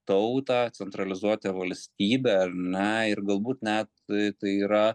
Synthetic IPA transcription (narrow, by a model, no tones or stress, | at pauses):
t̪ɐʊt̪ɑːt͡ssʲɛnt̪ɾɐlʲɪzuɔt̪ʲɛʋɐlʲsʲt̪ʲiːbʲɛːɐrnʲɛɪrɡɐlˠbuːt̪nʲɛt̪t̪ɐɪiːɾɐ